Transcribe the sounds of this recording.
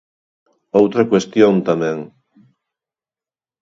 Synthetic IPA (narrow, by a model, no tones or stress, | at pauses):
owt̪ɾɐkwest̪jõnt̪amɛ̃ŋ